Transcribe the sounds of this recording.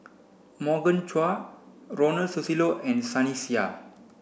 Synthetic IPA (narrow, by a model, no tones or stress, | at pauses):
mɔɡə̃nt͡ʃwaɹɔnəlsusiloʔɛ̃nsanisia̰